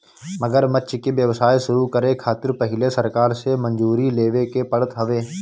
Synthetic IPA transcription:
məɡəɾmət͡ʃkebjəʋsaːiʃʊɾukəɾekʰaːt̪ɪɾpɐɦɪlesəɾkaːɾsemə̃nd͡ʒuːɾileːʋekepəɽət̪ɦɐʋeː

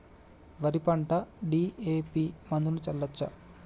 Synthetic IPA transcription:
ʋɐɾipɐɳʈɐɖiːeːpiːmɐnd̪unut͡ʃɐlːɐt͡ʃːɐ̰

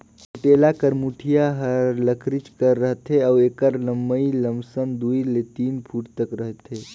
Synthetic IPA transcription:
uʈeːlakəɾmuʈʰijaɦəɾləkʰɾɪt͡ʃkəɾːəɦt̪eaweːkəɾləmːəiləmsənd̪uːilet̪iːnpʰuːʈt̪əkɾəɦt̪ɦe

